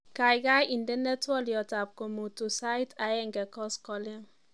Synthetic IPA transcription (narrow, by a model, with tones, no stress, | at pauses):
ka˨jɡa˦ji˨ndɛ˦nɛ˦tɔ˦ljɔ˨ta˨p̚ko˨mo˨tu˨sa˦jta˨jɛ˦ŋɡɛ˨kɔ˦skɔ˦lɛ˦ŋ